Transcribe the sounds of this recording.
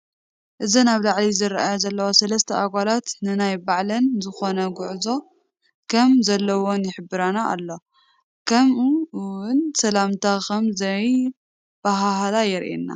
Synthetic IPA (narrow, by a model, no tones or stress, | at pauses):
ʔɨzinaβlaʕlizɨɾʔajozɐlːɐwosɐlɐst̪ʰɐaɡʷalat̪nɨnajbaʕlɐnzɨxo̞nɐɡʊʕzo̞ | kʰɐmzɐlːɐwo̞njɪħɨbːɨɾanaʔa̰lːo̞ | kʰɐmuwʊnsɐlamt̪ʰakɐmzɐj | b̥aɦaɦlajɛɾʔḛnːa̰